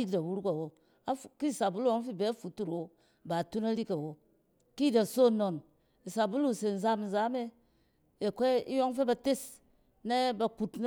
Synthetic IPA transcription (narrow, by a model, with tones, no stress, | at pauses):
i˦dda˨wu˦ɾu˦ka˨wo˨ | a˦˨ki˦˨sa˨bu˦lu˦o˦ŋ˦fi˦be˨˦a˦fu˨tu˨ɾwo˦ | ba˨tu˦na˦ɾi˦ka˨wo˨ | ki˦˨da˨so˦˨no˨n | i˨sa˨bu˦lu˦˨se˨n̩˨za˦mn̩˨za˨˦me˦ | e˨ke˦ḭ˦jo˦ŋ˦fe˦ba˨te˦˨s | ne˦ba˨ku˨tn˦